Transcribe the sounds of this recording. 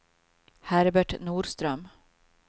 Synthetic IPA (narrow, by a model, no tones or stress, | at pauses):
hæɾbæʈnuːɖst̪ɾœm